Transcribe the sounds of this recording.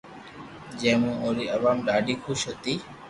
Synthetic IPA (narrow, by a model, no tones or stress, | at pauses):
d͡ʒẽːmũːʔõːɾiːəʋaːmɗaːɖiːkʰʊʃɦət̪iː